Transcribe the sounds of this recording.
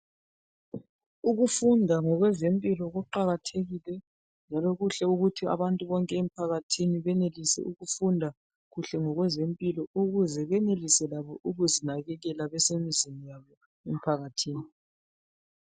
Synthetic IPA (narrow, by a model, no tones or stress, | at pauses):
uɣufundʱaŋɔɣwɛzempʼilɔɣuǃaɣatʰeɣilɛ | nd͡ʒʱalɔɣuɬɛuɣutʰia̰βantʼuβɔŋkʼɛem̩ipʰaɣatʰiniβɛnelisɛ̰ʔuɣufundʱa | ɣuɬɛŋɔɣwɛzempʼilɔuɣuzɛβɛnelisɛlaβɔʔuɣuzinaɣɛɣɛlaβɛsemizinijaβɔ | em̩ipʰaɣatʰiːni